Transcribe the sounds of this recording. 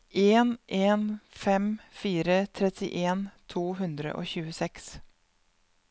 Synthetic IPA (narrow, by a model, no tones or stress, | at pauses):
ʔeːnʔeːnfɛmfiːɾət̪ʰɾɛt̪ɪʔeːnt̪ʰuːɦʉnd̪ɾə̰ʔo̰ːçʉːəsɛks